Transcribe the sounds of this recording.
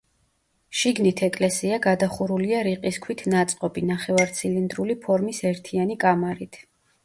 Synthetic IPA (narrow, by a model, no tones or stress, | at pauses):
ʃiɡnit̪ʰɛkʼlɛsiaɡad̪aχuɾuliaɾiqʼiskʰwit̪ʰnat̪sʼqʼɔbinaχɛvaɾt̪sʰilind̪ɾulipʰɔɾmisɛɾt̪ʰianikʼamaɾit̪ʰ